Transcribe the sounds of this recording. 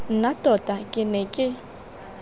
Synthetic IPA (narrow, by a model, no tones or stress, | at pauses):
n̩natʼɔtʼakʼɪnɛkʼɪ